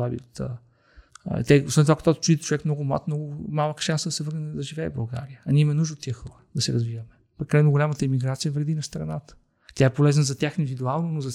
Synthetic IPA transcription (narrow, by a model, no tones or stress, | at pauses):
abḭot̪ə̰ | t̪ɛo̰svɛnovakɐt̪ɔt͡ʃuit̪t͡ʃovɛkmnɔɡʊma̰t̪mnɔɡʊmalˠəkʃansəd̪ɐsɛvɤɾnɛd̪ɐʒivɛ̰ːbɐlˠɡa̰ɾiəɐnʲiɛimɛnuʒd̪ot̪ːiəxəəd̪ɐsɛɾɐzvivɐmɛ | pɾtkːɐlɛnʊɡolʲamət̪əimiɡɾat̪sijəvɾɛd̪inɐst̪ɾɐnat̪ə̥ | t̪jaɛpolɛznəzɐt̪ʲjaxind̪ivʲid̪ualˠnonozɐ